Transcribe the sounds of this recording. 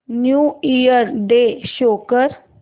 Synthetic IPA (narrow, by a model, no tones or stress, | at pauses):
njuːijəɾɖeɕokəɾ